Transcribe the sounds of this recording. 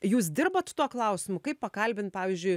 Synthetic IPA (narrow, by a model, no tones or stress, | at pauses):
juːs̬d̪ʲɪrbɐt̪t̪uɔklˠɐʊsʲɪmʊkɐɪppɐkɐlʲbʲɪnt̪̚pɑːʋʲiːzʲd͡ʒʲʊɪ